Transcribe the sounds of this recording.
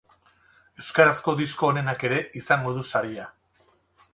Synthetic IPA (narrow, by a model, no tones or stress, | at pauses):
e̞wskaɾasko̞ðisko̞ːne̞nake̞ɾe̞isaŋɡo̞ðusaɾia